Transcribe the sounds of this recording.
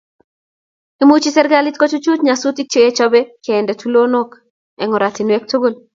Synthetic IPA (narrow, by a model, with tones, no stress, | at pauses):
i˦mut͡ʃi˦sɛɾɡali˦tko˦t͡ʃo˦t͡ʃu˦tɲasu˦ti˦k̚t͡ʃe˦e˦t͡ʃɔ˦bɛ˦keː˨ndɛ˨tu˦lo˦no˦k | ɛ˨ŋɔ˨ɾa˨ti˨nwɛ˦k̚to˦ɡo˦˨l